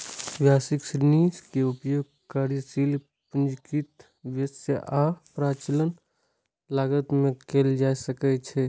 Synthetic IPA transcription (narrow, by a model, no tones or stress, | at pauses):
ʋjaːsɪkʃɾniːskeʊpjoːɡ̚ | kaːɾisiːl | pʊnd͡ʒkit̪ | ʋjəseʔaːpɾaːt͡ʃələn | laːɡət̪mẽkeld͡ʒaːsəkɛt͡ʃʰe